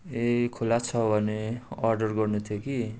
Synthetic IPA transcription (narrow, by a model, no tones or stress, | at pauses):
ekʰulat͡sʰʌbʱʌneʌrɖʌrɡʌrnut̪ʰjoki